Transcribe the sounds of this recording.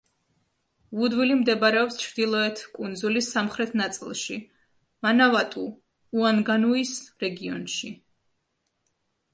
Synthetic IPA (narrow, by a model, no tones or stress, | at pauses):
vud̪wilimd̪ɛbaɾɛɔpst͡ʃʰɾd̪ilˠɔɛt̪ʰkʼund̪zulisːamχɾɛt̪ʰnat̪sʼḭlˠʃḭ | manavat̪ʼuː | anɡanuisɾɛɡiɔ̰nʃi